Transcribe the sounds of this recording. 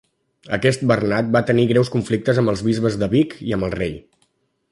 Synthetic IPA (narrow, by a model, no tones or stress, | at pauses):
əkɛst̪̚bərnat̪̚bat̪əniɣɾɛwskuɱflik̚t̪əzəmbəlˠzβizβəzðəβikiəmbəlˠrej